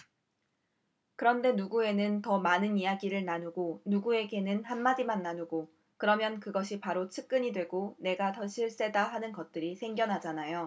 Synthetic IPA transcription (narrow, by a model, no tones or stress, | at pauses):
kɯɾʌnde̞nuɡue̞nɯntʌmanɯnijaɡiɾɯɭnanuɡonuɡue̞ɡe̞nɯnhanmad͡ʑimanːanuɡo | kɯɾʌmjʌnkɯɡʌɕʰipaɾot͡ɕʰɯk̚k͈ɯɲidwe̞ɡone̞ɡatʌɕʰiɭs͈e̞daɦanɯnɡʌt̚t͈ɯɾisʰe̞ŋɡjʌnɦad͡ʑanajo